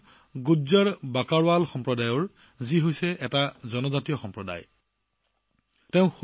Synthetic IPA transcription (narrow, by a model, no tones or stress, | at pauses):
ɡuzaɹbakaɹwalxɔmpɹɔdajɔɹ | ziɦojsɛʔɛtazɔnɔzatijɔxɔmpɹɔda̰j | teʊ̃x